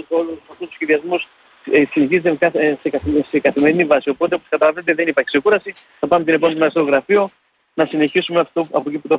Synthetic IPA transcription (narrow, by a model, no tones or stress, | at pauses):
solɐft̪ust̪u̥sçeðiɐzmus | sineçizet̪ekɐsekɐsekɐθime̞ɾinivɐsio̞po̞t̪eo̞poskɐt̪ɐlɐvenet̪eðe̞nipɐɾçe̥se̞kuɾɐsi | θɐpɐmet̪inepont̪omeɐft̪eɾoɣɾɐfio̞ | nɐsine̞çisumeɐft̪oɐpociput̪o